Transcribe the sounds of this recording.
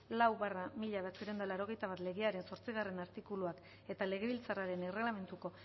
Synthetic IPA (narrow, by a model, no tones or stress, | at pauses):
lawβaramiʎaβeat͡siɾend̪alaɾo̞ɣ̞e̞jt̪aβat̪le̞ɣeaɾe̞nso̞ɾt͡siɣ̞are̞naɾt̪ikuluak | e̞t̪ale̞ɣ̞e̞βilt͡saraɾe̞nerelame̞nt̪uko̞